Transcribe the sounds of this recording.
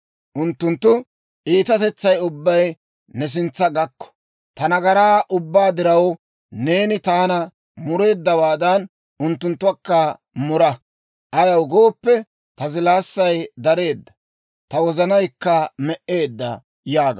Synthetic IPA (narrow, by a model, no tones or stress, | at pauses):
ʔʊnt̪ːʊnt̪ːʊ | ʔiːt̪ɐt̪ɛt͡sːɐjʊbːɐj | nɛs̬ɪnt͡sːɐɡɐkːɔ̥ | t̪ɐnɐɡɐɾaːʔʊbːaːd̪ɪɾɐw | ne̞ːnɪt̪aːnɐ | mʊɾe̞ːd̪ːɐwaːd̪ɐn | ʔʊnt̪ːʊnt̪ːʊwɐkːɐ | mʊɾɐ | ʔɐjɐwɡo̞ːpːɛ | t̪ɐzɪlaːsːɐjd̪ɐɾe̞ːd̪ːɐ̥ | t̪ɐwɔzɐnɐjkːɐmɛʔe̞ːd̪ːɐ̰ | jaːɡɐ